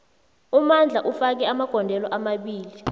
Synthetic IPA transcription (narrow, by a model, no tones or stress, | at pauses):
umand͡ɮʱaʔufak̬ɛamaɡ̥ʱɔndʱɛlɔʔamaɓiːli